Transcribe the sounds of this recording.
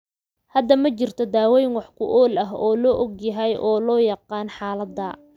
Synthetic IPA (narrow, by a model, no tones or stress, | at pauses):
hɐd̪ɐmɐt͡ʃɪrt̪ʰɔd̪aːwɛjnwɑħkʰʊʔɔːlɐɦɔːlɔːʔɔɡjɐɦɛjʔɔːlɔːjɑqɑːnħɑːlɐd̪ːɐ